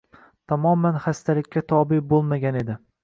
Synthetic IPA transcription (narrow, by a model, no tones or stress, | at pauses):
t̪ʰamɒmanχast̪ʰalɪkʲːat̪ʰɒbɪbolˠmaɡʲane̞d̪ɪ